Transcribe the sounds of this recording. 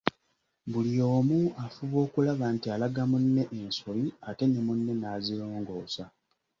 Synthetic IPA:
βulio̞ːmuafuβo̞ːkulaβantialaɡamunːe̞ʔenso̞βiate̞ne̞munːe̞naziɾoːŋɡo̞ːsa

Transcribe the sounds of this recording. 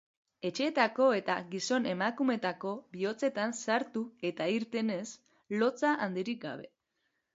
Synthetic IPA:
e̞t͡ʃe̞ːt̪ako̞e̞t̪aɣiso̞ne̞makume̞t̪ako̞βio̞t͡se̞t̪ansaɾt̪ue̞t̪aiɾt̪e̞ne̞s | lo̞t͡saʔand̪iɾik̚ɡa̰β̞e̞

